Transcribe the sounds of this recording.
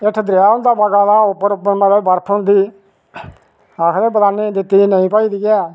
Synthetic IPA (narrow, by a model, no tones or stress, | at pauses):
eʈʰd̪ɾɪjaːɦʊ̃nd̪aːbaːkaːlãːʊpːəɾʊpːəɾməɾeːbəɾpʰʊ̃nd̪iː | aːkʰɾeːbəaːniːd̪ɪt̪ːiːnəĩːpaːiːd̪iːɡɛː